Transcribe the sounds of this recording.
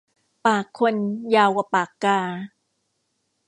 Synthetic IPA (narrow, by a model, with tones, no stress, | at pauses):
paː˨˩kʰːo˧njaː˧wa˧paː˨˩kːaː˧